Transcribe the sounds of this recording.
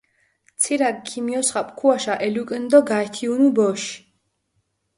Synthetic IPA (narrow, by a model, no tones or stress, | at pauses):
t̪t͡sʰilaɡkʰimijɔsχapʼkʰuaʃaʔɛlukʼənd̪ɔɡaɛt̪ʰiunubɔʃ